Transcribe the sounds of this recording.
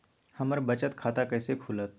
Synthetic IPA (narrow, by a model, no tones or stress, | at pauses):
həməɾbət͡ɕət̪kʰaːt̪akəjsekʰulət̪̚